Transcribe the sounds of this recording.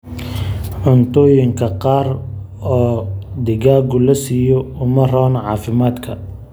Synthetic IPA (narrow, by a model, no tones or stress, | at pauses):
ʕʊnt̪ʰɔːjɪŋkʰɐqɑːr | ɔːd̪ɪɣaːɡʊlɐsiːjɔʊmɐrɔːnʕɑ̰ːfɪmaːd̪kʰɐ